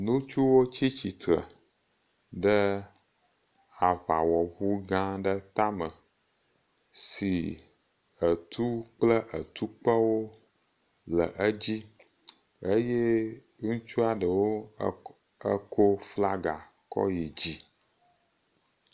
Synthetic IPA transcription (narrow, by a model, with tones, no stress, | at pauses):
nũ˦t͡ʃu˦wo˦t͡ɕi˦t͡ɕi˨t̪ɾə̰˨ | ɖə˦ | a˨va˨wɔ˨βu˦ɡã˦ɖə˦t̪a˦mə˨ | si˨ | ə˨t̪ʰu˦k͡plə˦ʔə˨t̪u˦k͡pə˦wo˦ | lə̰˨ʔə˦d͡ʑi˦ | ə˦je˦ | ŋũ˦t͡ʃu˦a˨ɖə˨wo˦ | ə˦kʰo˦fla˦ɡa˨ | kɔ̰˦ji˨d͡ʑi˦